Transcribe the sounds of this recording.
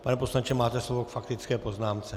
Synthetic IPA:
panɛpo̞slant͡ʃɛmaːt̪ɛslovokfakt̪ɪt͡skɛːpo̞znaːmt͡sɛ

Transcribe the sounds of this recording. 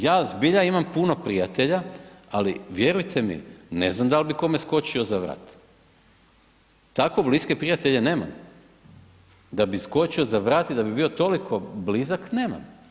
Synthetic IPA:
jaːzbiʎaimampuno̞pɾijat̪e̞ʎaalḭʋje̞ɾujt̪ʰe̞mḭne̞̰znamd̪albiko̞me̞sko̞t͡ɕio̞zaʋɾa̰ːt̪ | t̪akʋo̞bliske̞pɾijat̪eʎe̞ne̞ːma̰m | d̪abisko̞t͡ɕiozaʋɾaːt̪id̪abibio̞t̪o̞likʰo̞blizakne̞ːma̰m

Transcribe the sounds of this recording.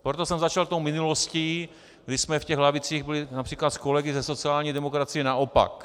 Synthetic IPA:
pɾot̪osɛmzat͡ʃalt̪owmɪnulosciː | ɡdɪsmɛfcɛɣɦlavɪt͡siːɣbɪlɪnapr̥iːklat̪skolɛɡɪzɛso̞t͡siaːlɲiːdɛmo̞kɾat͡sɪjɛnaʔopa̰k

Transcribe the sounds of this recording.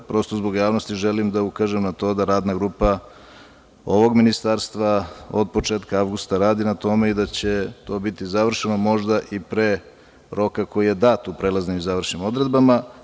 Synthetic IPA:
pɾo̞st̪o̞zbo̞ɡjaːʋno̞st̪iʒelimd̪aukaʒemnat̪o̞d̪aɾaːd̪naɡɾuːpa | o̞ʋo̞ɡminist̪aɾst̪ʋaod̪̚po̞t͡ʃeːt̪kaaʋɡust̪aɾaːd̪inat̪o̞me̞id̪at͡ɕe̞t̪o̞ːbit̪izaʋr̩ʃenomo̞ʒd̪aʔipɾeː | ɾo̞kako̞jije̞d̪aːt̪upɾelˠaznimizaʋr̩ʃnimo̞d̪ɾe̞d̪bama

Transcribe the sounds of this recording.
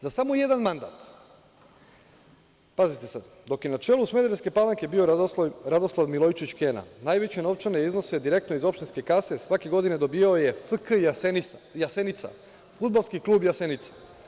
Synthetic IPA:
zasamoje̞d̪anmand̪a̰ːt̪ | pazit̪e̞sad̪ | d̪o̞kjenat͡ʃeːlˠusme̞d̪eɾeske̞palˠaŋke̞bioɾad̪o̞slˠaʋmilˠo̞jt͡ʃit͡ʃkena̰naːjʋe̞t͡ɕe̞no̞ʋt͡ʃanejizno̞sed̪iɾe̞kt̪no̞izo̞pʃt̪inske̞kase̞sʋake̞ɡo̞d̪ine̞d̪o̞bijaoje̞fkjasenijase̞nit̪sa̰ | fud̪̚balskiklˠuːbjase̞nit̪sḁ

